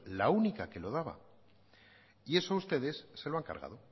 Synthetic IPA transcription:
launikake̞lo̞ðaβa̰ | ie̞soaust̪e̞ðe̞sːe̞lo̞aŋka̰ɾɣa̰ðo̞

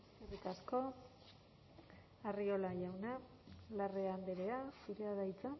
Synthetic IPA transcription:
erikasko̞ | ario̞laʝawna | lareamb̪eɾe̞asuɾeaðajt͡sa

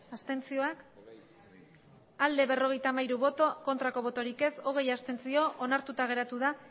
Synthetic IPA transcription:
ast̪e̞nt͡sio̞ak | ald̪e̞βe̞ro̞ɣ̞e̞jt̪amajɾuβo̞t̪oko̞nt̪ɾako̞β̞o̞t̪o̞ɾike̞so̞ɣ̞e̞jast̪e̞nt͡sio̞ʔonaɾt̪ut̪aɣ̞e̞ɾat̪uða

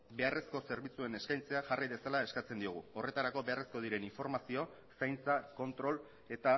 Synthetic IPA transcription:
be̞are̞sko̞se̞ɾβit͡sue̞ne̞skajnt͡se̞aʝariðe̞salae̞skat͡se̞nd̪ioɣ̞uo̞re̞t̪aɾako̞βeare̞sko̞ð̞iɾe̞niɱfo̞ɾmasio̞ | sajnt͡sako̞nt̪ɾo̞l | e̞t̪a

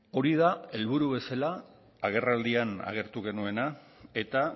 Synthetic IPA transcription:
o̞ɾið̞ae̞lβ̞uɾuβe̞salaː | ɣ̞e̞rald̪iana̰ɣ̞e̞ɾt̪uɣ̞e̞nue̞na | e̞t̪a

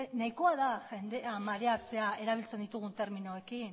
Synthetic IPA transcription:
naiko̞aðaʝe̞nd̪e̞amaɾe̞at͡se̞ae̞ɾaβ̞ilt͡send̪it̪uɣ̞unt̪e̞ɾminoe̞kin

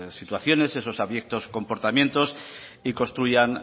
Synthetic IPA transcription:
sit̪waθjo̞ne̞seso̞saβje̞k̚t̪osko̞mpo̞ɾt̪amjẽ̞nt̪o̞s | iko̞nst̪ɾuʝan

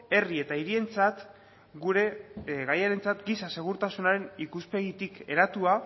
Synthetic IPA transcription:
e̞rie̞t̪aiɾie̞nt͡sat̪ | ɡuɾe̞ɣajaɾe̞nt͡sat̪ɡisase̞ɣ̞uɾt̪asunaɾe̞nikuspe̞ɣit̪ike̞ɾat̪ua

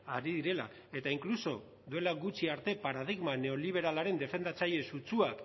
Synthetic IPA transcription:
aɾiðiɾe̞la̰ | e̞t̪aiŋkluso̞ | ðue̞laɣut͡ʃiaɾt̪e̞paɾað̞iɣmane̞o̞liβ̞e̞ɾalaɾe̞nd̪e̞fe̞nd̪at͡saʎe̞sut͡suak

